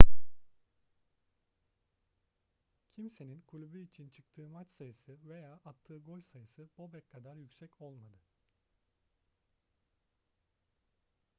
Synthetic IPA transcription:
cʰimse̞ninkʰulʲubyit͡ʃʰint͡ʃʰɯkt̪ʰɯːmat͡ʃsajɯsɯve̞jaːʔat̪ʰːɯːɡo̞lʲsajɯsɯb̥o̞bɛkʰːad̪aɾjycʲsɛco̞lˠmad̪ɯ

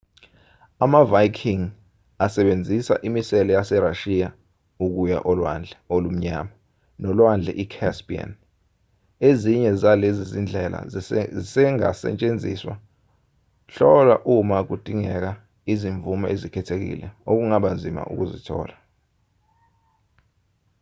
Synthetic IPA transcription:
amavajkʰiŋ | asɛɓend͡zʱisa̰ʔimisɛlɔjasɛɾaʃija | uk̬uja̰ʔɔlwand͡ɮʱolum̩ɲaːma | nɔlwand͡ɮʱɛ̰ʔikʰɛspia̰n | eziɲɛzalezizind͡ɮʱɛla̰zsɛŋa̰sɛ̰t͡ʃʼend͡zʱiswa̰ | ɬɔlwa̰ʔumak̬ud̥ʱiŋɛk̬a | iziɱvumaʔezikʰɛtʰek̬ḭlɛ̰ok̬uŋaɓand͡zʱima̰ʔṵk̬uzḭtʰɔ̰ːla

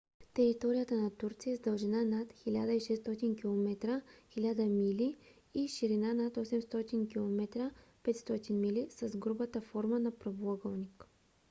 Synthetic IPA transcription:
t̪ɛɾit̪ɔɾijət̪ənɐt̪uɾt̪sijəzd̪ɐlˠʒɛnanat̪xilʲad̪əiʃɛst̪ɔt̪inkʲilˠomɛt̪ɾəxilʲad̪əmili | iʃiɾinanat̪ɔsɛmst̪ɔt̪inkʲilˠomɛt̪ɾəpɛt̪st̪ɔt̪inmilisɐzɡɾubət̪əfɔɾmənɐpɾoblˠɔɡəlˠnʲik

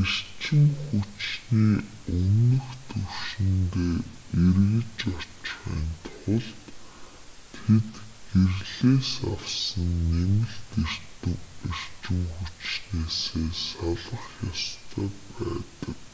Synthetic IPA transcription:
ir̥t͡ɕɪ̆ŋxut͡ɕniː | ɵnɵ̆xt̪ʰɵw̥ʃɪ̆nt̪eːerɣɘ̆t͡ɕɔt͡ɕχḭːnt̪χʊɮt̪ːʰ | et̪ɡ̥erɮeːsa̰wsə̆nːemɘ̆ɮt̪i̥ | ir̥t͡ɕɪ̆ŋxut͡ɕneːseːsaɮə̆χjast̪ʰaːpæːt̪ə̆k

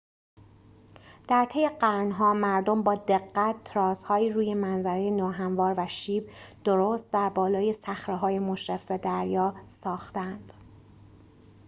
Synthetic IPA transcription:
d̪̥æɾt̪ʰe̞je̞ɢæɾnɦɒːmæɾd̪ombɒːd̪e̞ɢːæt̪ːʰɾɒːshɒːjiːɾuːje̞mænzæɾejenɒːɦæɱvɒːɾvæʃiːbd̪̥oɾoːst̪̚d̪æɾbɒːlɒːje̞sæxɾeɦɒːje̞moʃɾefbed̪æɾjɒːsɒːxt̪ænd̪̥

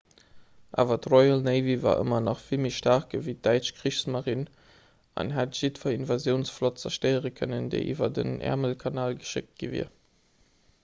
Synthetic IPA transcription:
ʔa̰ːvɐtʁɔɪalneɪviva̰ːʔə̰mɐnɑχfilmiʃtaʁkəvid̥æɪt͡ʃkʁiʃsmaʁin | ɑ̰nɦatʒ̥itfɐinvazjəʊnsflɔt̚t͡sɐʃtəɪəʁəkʰœnəndə̰ɪʔḭːvɐdə̰nʔɛ̰ʁməlkʰɑnaːlɡəʃɪ̰k̚t̚ɡ̥ivḭɐ

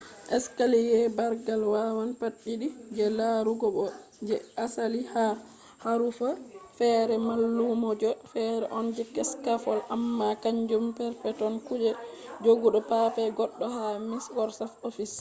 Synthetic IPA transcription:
ʔɛskalijɛbaɾɡalwawanpaɗːiɗid͡ʒɛlaɾuɡɔɓɔd͡ʒɛasaliha | haɾufafɛɾɛmalːumɔd͡ʒɔfɛɾɛ̰ʔɔnd͡ʒɛkɛskafɔlʔamːakaɲd͡ʒumpɛɾpɛtɔnkud͡ʒɛd͡ʒoɡuɗɔpafɛɡɔɗːɔhamisɡɔɾsafofis

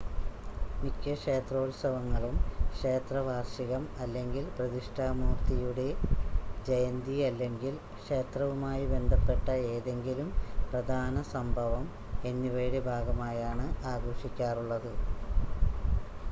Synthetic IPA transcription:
mikʲːɐʂe̞ːt̪ro̞ːlsɐʋɐŋːɐɭumkʂe̞ːt̪rɐʋʱaːrʂiɣɐmɐlːe̞ŋɡilprɐðiʂʈʰaːmuːrt̪ijuɽe̞d͡ʑejɐnd̪iɐlːe̞ŋɡil | kʂeːt̪rɐʋumaːjibe̞nd̪ʱɐpːe̞ʈːɐeːðe̞ŋɡilumprɐd̪ʱaːnɐsɐmbʱɐʋɐm | e̞nːiʋeːɽebʱaːɡɐmaːjaːɳɨaːɡoːʂikʲːaːruɭːɐðɨ

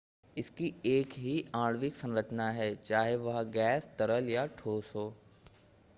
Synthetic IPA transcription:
ɪskieːkɦiãːɽʋɪksɐ̃ŋɾət͡ʃnaɦɛːt͡ʃaːɦeʋɐɦɡɛːst̪ɐɾəljaʈʰoːsɦoː

